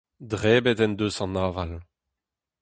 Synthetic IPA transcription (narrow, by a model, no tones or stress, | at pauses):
dʁɛːbɛt̪ɛnd̪øsɑ̃naːval